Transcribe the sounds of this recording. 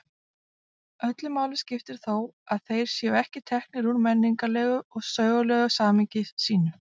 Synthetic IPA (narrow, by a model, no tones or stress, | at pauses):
œt̪lʏmaːwlɪscɪft̪ɪɾ̥θowaðθejɾ̥sjɛːʏɛhcɪt̪ʰɛhknɪɾunmɛnːiŋkalɛːɣʏɔɣsœːɥɣʏlɛɣʏsaːmiɲcɪsiːnʏ